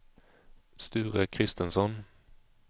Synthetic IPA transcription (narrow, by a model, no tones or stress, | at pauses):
st̪ʉːʁəkʰʁɪst̪ənsɔn